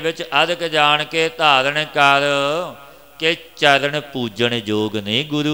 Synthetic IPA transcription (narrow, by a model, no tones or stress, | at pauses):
bɪt͡ʃəd̪kd͡ʒaːɳket̪aːɾnekəɾ | ket͡ʃəɾɳepuːd͡ʒəɳ̃ed͡ʒoːɡnĩːɡʊɾuː